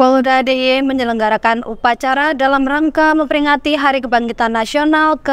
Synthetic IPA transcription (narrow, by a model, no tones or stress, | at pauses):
kɔldadejeməɲələŋɡaɾakanupat͡ʃaɾadalamraŋkaməmpəɾiŋat̪iɦaɾikəbaŋɡit̪anːasionalkə